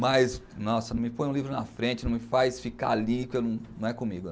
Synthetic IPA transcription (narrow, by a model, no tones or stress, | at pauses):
mɐjsnɔsɐnɐ̃mɪpõj̃ũlivɾʊnɐ̰fɾẽnt͡ʃɪnɐ̃w̃mɪfajsfika̰alikewnɐ̃w̃nɐ̃w̃ɛkõmiɡʊ